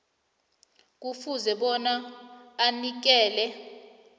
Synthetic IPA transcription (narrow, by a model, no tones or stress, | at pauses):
k̬ufuzɛɓɔnaː | nik̬ɛːlɛ